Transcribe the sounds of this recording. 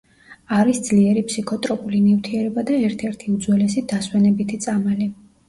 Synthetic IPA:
aɾisd̪zliɛɾipsikʰɔt̪ʼɾɔpʼulinivt̪ʰiɛɾɛbad̪aɛɾt̪ʰɛɾt̪ʰiud̪zwɛlɛsid̪̥aswɛnɛbit̪ʰit̪sʼamɛli

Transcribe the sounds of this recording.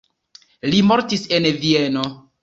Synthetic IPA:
limo̞ɾtisenvieno

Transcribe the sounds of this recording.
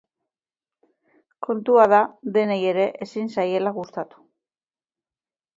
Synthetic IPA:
kʰo̞nt̪uað̞aðe̞neje̞ɾe̞ʔesinsaje̞laɣust̪at̪u̥

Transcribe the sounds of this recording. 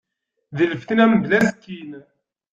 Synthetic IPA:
ðələfθənæmd̪læskːin

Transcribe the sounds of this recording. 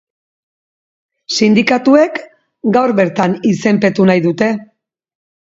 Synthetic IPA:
sind̪ikat̪ue̞k | ɡawɾβe̞ɾt̪anise̞mpe̞t̪unajðut̪e̞

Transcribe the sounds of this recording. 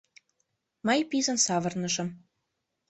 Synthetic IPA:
mɤjpizə̆nsɑvɤ̆rnɤʒɤ̆m

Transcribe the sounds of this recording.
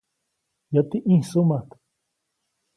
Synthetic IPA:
jat̪iʔĩhsumat̪

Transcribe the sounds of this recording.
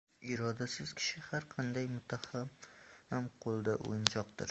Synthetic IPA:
ɪɾɒd̪asɪz̥kʲʰɪ̥ʃɪhaɾqʰɑnd̪ajmʊt̪ʰahamhamqʰolˠd̪aʔo̰jɪnd͡ʒɒq̚d̪ɪ̰ɾ

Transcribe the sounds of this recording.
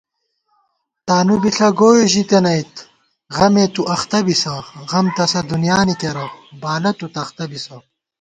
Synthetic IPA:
t̪aːnubiɬɐɡoːeʑit̪enɐit̪ | ʁɐmet̪uʔɐxt̪ɐbisɐʁɐmt̪ɐsɐd̪unjaːnik̪eɾɐbaːlɐt̪ut̪ɐxt̪ɐbisɐ

